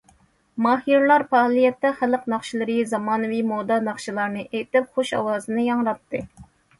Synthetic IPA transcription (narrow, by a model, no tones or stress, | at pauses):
mɑːɦiɾlˠɑɾpɑːlˠijɛt̪ːɛχæləqnɑχʃilˠɨɾɨzɑmɑːnɨwimod̪ɑnɑχʃɨlˠɑɾnɨʔejt̪ɪp̚χoʃɑ̰wɑːzɨnɨjɑŋɾɑt̪ʰːɨ